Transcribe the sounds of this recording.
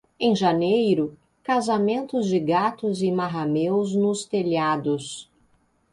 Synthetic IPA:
ẽj̃ʒanejɾʊ | kazamẽnt̪ʊzd͡ʒɪɡat̪ʊzɪmaɦamewznʊst̪eʎad̪ʊs

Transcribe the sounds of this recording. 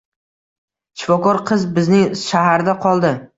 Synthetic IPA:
t͡ʃʰɪ̥fɒkɒɾqʰɨzbɪznɪŋʃaɦaɾd̪aqʰɒlˠd̪ɪ

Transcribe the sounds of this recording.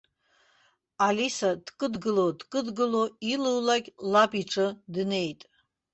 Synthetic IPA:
alisad̥kʼɨdɡɨlo̞dkʼɨdɡɨloilɨwlakʲʼlapʼiʈ͡ʂʰʼɨdne̞jtʼ

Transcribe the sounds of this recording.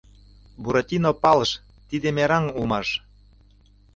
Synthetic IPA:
buɾot̪ʲinopɑlʃ | t̪id̪emeɾɑnumɑʃ

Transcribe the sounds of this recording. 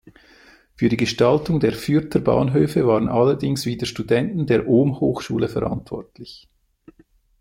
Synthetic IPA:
fyːdiːɡəʃtɑltʊŋdeːɐfyːɾtʰəbɑ̰ːnɦøːfəvaːʁənʔɑləɾdɪŋsviːdəʃtudɛntn̩deːʔoːmhoːxʃṵːləfɛ̰ɾa̰ntv̥ɔ̰ʁtʰlɪç

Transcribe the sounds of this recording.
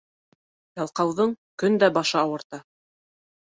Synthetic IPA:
jɑlˠqɑwðɤɴkɵnd̪æbɑʃɤɑwɤ̆ɾt̪ɑ

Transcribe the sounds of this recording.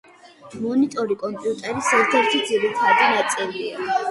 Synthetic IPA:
mɔnit̪ʼɔɾikʼɔmpʼjut̪ʼɛɾisɛɾt̪ʰɛɾt̪ʰid̪ziɾit̪ʰad̪inat̪sʼilia

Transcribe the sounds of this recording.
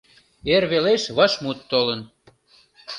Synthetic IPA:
erβeleʃβə̆ʃmut̪ːolən

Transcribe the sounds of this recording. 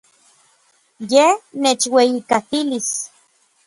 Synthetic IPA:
jehnet͡ʃwejikat̪ilis

